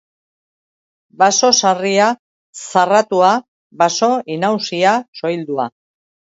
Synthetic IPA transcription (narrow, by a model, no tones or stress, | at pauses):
baso̞saria | sarat̪ua | baso̞inawsiaso̞jld̪ua̰